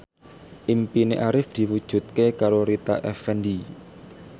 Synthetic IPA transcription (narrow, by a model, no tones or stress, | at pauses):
ʔimpineʔaɾɪfd̪̥i̤wud̥ʒ̥ṳt̪̚kekaɾoɾit̪aʔɛfɛndi